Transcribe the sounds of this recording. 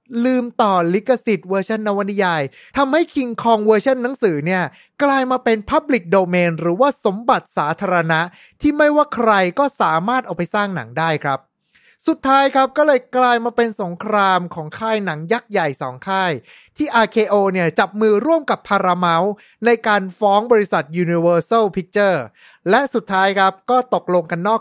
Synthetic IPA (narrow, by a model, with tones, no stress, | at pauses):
lɯː˧mt̪ɔː˨˩li˦˥kːa˧si˨˩t̪̚wəː˧t͡ɕʰa˥˩nːa˧wa˧ni˦˧jaː˧j | t̪ʰa˧mha˥˩jkʰi˧ŋkʰɔː˧ŋwɤː˧t͡ɕʰa˥˩nːa˩˦ŋsɯː˩˦ni˥˩ɐ | klaː˧jmaː˧pe˧npʰa˦˥p̚li˨˩k̚doː˧meː˧nɾɯː˩˦waː˥˩so˩˦mba˨˩t̪̚saː˩˦t̪ʰaː˧ɾa˧na˦˥ʔ | t̪ʰiː˥˩ma˥˩jwaː˥˩kʰɾa˧jkɔː˥˩saː˩˦maː˥˩t̪̚ʔa˧˩wpa˧jsaː˥˩ŋna̰˩˦ŋdaː˥˩jkʰɾa˦˥p̚ | su˨˩t̪ʰːaː˦˥jkʰɾa˦˥p̚kɔː˥˩lɤː˧jklaː˧jmaː˧pe˧nso˩˦ŋkʰɾaː˧mkʰɔː˩˦ŋkʰaː˥˩jna˩˦ŋja˦˥k̚ja˨˩jsɔ̰ː˩˦ŋkʰaː˥˩j | t̪ʰiː˥˩ʔaː˧kʰeː˧ʔoː˧ni˥˩ɐt͡ɕa˨˩p̚mɯː˧ɾu˥˩əmka˨˩pʰːaː˧ɾaː˧ma˦˥w | na˧jkaː˧nfɔː˦˥ŋbɔː˧ɾi˦˥sa˨˩t̪̚juː˧ni˧wɤː˧sa˥˩pʰi˦˥k̚t͡ɕɤː˥˩ | lɛ˦˥ʔsu˨˩t̪ʰːaː˦˥jkʰɾa˦˥p̚kɔː˥˩t̪o˨˩k̚lo˧ŋka˧nːɔː˥˩